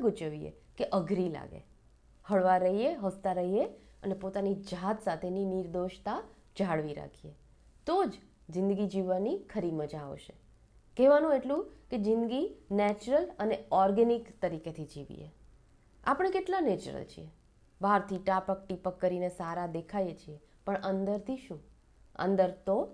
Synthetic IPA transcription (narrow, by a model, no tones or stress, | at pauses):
ɡut͡ʃəʋiḛ | keʔəɡʱɾila̰ɡḛ | həɭʋaɾəɦieɦəst̪aɾəɦie | ənepot̪anid͡ʒat̪sat̪ʰeniniɾd̪oʃt̪a | d͡ʒaɽʋiɾa̰kʰie | t̪od͡ʒ | zɪ̃nd̪əɡid͡ʒiʋanikʰəɾiməd͡ʒa̰ʃe | kɛʋanũeʈlũked͡ʒɪnd̪ɡinɛt͡ʃɾələneɔɾɡɛnikt̪əɾiket̪ʰid͡ʒiʋḭḛ | a̰pəɽ̃ekeʈlanet͡ʃɾə̰lt͡ʃʰḭe | baɾt̪ʰiʈapəkʈipəkːəɾinesaɾad̪ekʰajet͡ʃʰie | pəɳənd̪əɾt̪ʰiʃũ | ə̰nd̪əɾt̪o